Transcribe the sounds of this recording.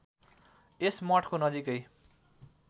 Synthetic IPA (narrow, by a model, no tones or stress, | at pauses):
esmʌʈʰkonʌd͡zikʌj